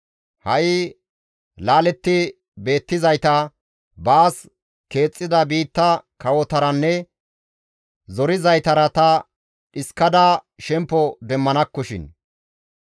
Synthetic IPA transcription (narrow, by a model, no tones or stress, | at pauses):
hɐʔɪ | laːlɛt̪ːɪ | be̞ːt̪ːɪzɐjt̪ɐ | baːs | ke̞ːt͡sʼːɪd̪ɐbiːt̪ːɐkɐwɔt̪ɐɾɐnːɛ | zɔɾɪzɐjt̪ɐɾɐt̪ɐ | ᶑɪskːɐd̪a | ʃɛmpːɔd̪ɛmːɐnɐkːɔʃɪ̰n